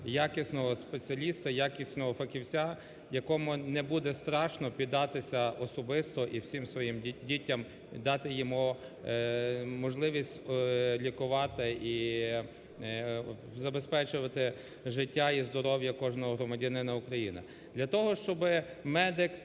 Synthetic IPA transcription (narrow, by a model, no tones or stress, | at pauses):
jakɪsʲnɔɦɔspet͡sʲiɐlʲist̪ɐjakʲisʲnɔɦɔfɐkʲiwt͡sʲa | jɐkɔmʊnɛbud̪ɛst̪ɾɑʃnɔpʲid̪ːɑt̪ɪsʲɐɔsɔbɪst̪ɔʔiwsʲimsʋɔjimdʲitʲːɐm | d̪ɑt̪ɪjimu | mɔʒlˠɪʋʲisʲtʲlʲikʊʋɑt̪ɪʔi | zɐbespɛt͡ʃʊʋɐt̪ɪ | ʒɪtʲːaizd̪ɔɾɔwjɐkɔʒnɔɦɔɦɾɔmɐdʲɐnɪnɐukɾɐjinɐ̰ | d̪lʲɐt̪ɔɦɔʃt͡ʃɔbɪ | mɛd̪ɪk